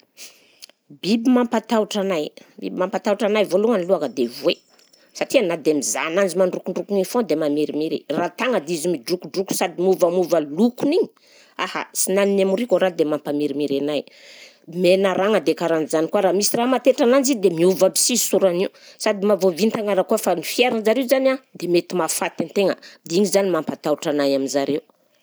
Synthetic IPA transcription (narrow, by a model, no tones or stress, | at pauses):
bibimampat̪auʈ͡ʂanajbḭbimampat̪auʈ͡ʂanajvoluŋəniluakəd̪evwe | saʈ͡ʂianad̪emiza̰nand͡zimaɳɖ͡ʐukuɳɖ͡ʐukunifõd̪emamiɾimiɾḭrat̪aŋəd̪iizimiɖ͡ʐukuɖ͡ʐuku̥sad̪imuvamuvəlukuniɲi̥ | aha̰sinaninamurikoɾad̪emampamiɾimiɾenaj | menaɾaŋəd̪ekaɾanizanikuaɾamisiramat̪eʈ͡ʂanand͡ʒid̪emiuvabi̥sizsuɾaniusad̪imavovint̪aŋaɾakuafanifieɾanzaɾewuzanad̪emet̪imafat̪ant̪eŋəd̪iɲizanimampat̪auʈ͡ʂanajaminzaɾeu